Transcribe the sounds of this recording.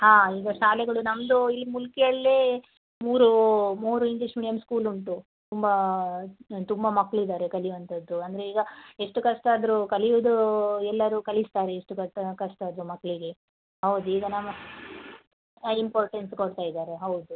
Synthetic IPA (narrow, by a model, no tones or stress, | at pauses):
haːiːɡɐʃaːlɛɡɐɭunɐmd̪uilːimulkɛjɐɭːeː | muːɾumuːɾuiŋɡliʂmiːɖijɐmskuːluɳʈu | t̪umbɐ | t̪umbɐmɐkːɭid̪aːɾekɐlijʋɐnt̪ʰɐd̪ːuɐnd̪ɐɾe̞iːɡɐeʂʈukɐʂʈaːd̪ɐɾukɐlijud̪uɛlːɐɾuːkɐlist̪aːɾeeʂʈukɐkɐʂʈaːd̪ɾumɐkːɐɭiɡe̞ | ɦɐwud̪uiɡ̪ɐnamɐ | impoːɾʈenskoɽt̪aːjid̪aːɾe̞ɦɐwud̪u